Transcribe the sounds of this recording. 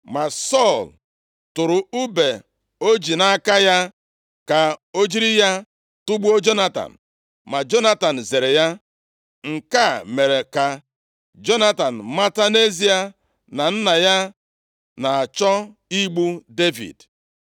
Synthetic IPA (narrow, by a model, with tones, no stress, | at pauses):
ma˨sɔ˦˨l | tʊ˨ɾʊ˨ʊ˦be˨ | o˦d͡ʒi˨na˦ka˦ja˦ | ka˨o˦d͡ʒi˦ɾi˦ja˦ | tʊ˦ɡ͡bo˦d͡ʒo˦na˦ta̰˨n̩˨ | ma˨d͡ʒo˦na˦ta˨n̩˨ze˨ɾe˨ja˦ | ŋ̩˨ka˦˨me˨ɾe˨ka˨ | d͡ʒo˦na˦ta˨n̩˨ma˦ta˦ne˦zi˦a˦ | na˨n̩˦na˨ja˦ | na˨a˨t͡ʃɔ˦ | i˦ɡ͡bu˦de˦vḭ˨d